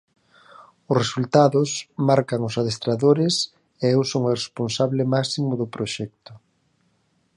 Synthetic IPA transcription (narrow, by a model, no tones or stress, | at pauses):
ʊsresult̪aðʊsmaɾkaŋʊsaðest̪ɾaðoɾɪs | eewsoŋoresponsaβlɪmaksimʊðʊpɾoʃɛk̚t̪ʊ